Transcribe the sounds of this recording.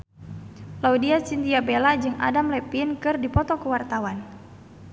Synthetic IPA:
laudiat͡ʃint̪iabelad͡ʒɨŋa̰damlɛpinkɨrdipɔt̪ɔkuwart̪awan

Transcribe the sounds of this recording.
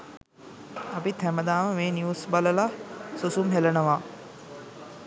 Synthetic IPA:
apit̪ʰæməd̪aːʋəmeːnjiusbaləlasusumɦelənəʋa

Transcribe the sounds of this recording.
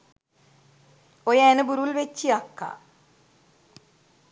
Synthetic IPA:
ojenɨbuɾuilʋet͡ɕːijɐkːa̰

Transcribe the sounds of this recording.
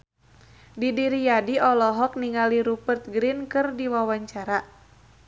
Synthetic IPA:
didiɾijadiɔlɔɦɔk̚niŋaliɾupərt̪̚ɡɾinkɨrdiwawaɲt͡ʃaɾa

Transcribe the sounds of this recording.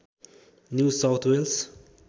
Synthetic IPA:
njuːsawt̪ʰwels

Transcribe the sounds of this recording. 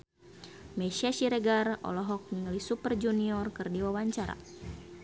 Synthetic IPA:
mɛʃaʃiɾɛɡarɔ̰lɔɦɔk̚niŋlisupərd͡ʒuniɔrkɨrdiwawaɲt͡ʃaɾa̰

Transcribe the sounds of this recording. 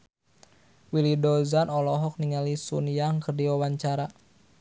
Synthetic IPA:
wilidɔzanɔlɔɦɔk̚niŋalisṵnjaŋkərdiwawaɲt͡ʃaɾa

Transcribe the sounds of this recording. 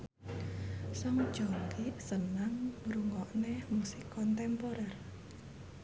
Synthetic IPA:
sɔŋd̥ʒ̥ɔŋkisənaŋɾuŋɔʔnɛmusikɔnt̪ɛmpoɾɛr

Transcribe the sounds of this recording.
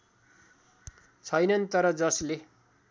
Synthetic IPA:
t͡sʰʌjnʌnt̪ʌɾʌd͡zʌsle

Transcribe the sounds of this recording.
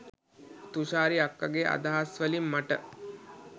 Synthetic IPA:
t̪uʃaːɾiakːaɡeʔa̰d̪aɦasʋəlimːaʈə

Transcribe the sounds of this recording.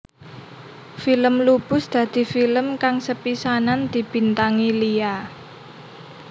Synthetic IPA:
filəmlub̥ʊ̤sd̪̥ä̤d̪̥i̤filəmkaŋsəpisanand̪̥i̤b̥i̤nt̪aŋilia

